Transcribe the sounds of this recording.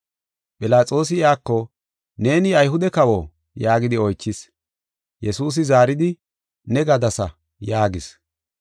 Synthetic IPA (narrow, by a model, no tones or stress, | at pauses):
pʼɪlaːt͡sʼo̞ːs̬ɪɪjaːkːɔ | ne̞ːnɪɐjɦʊd̪ɛkɐwo | jaːɡɪd̪ɪɔjt͡ʃːɪs | jɛsuːs̬ɪzaːɾɪd̪ɪ | nɛɡɐd̪ɐsɐ̰ | jaːɡɪs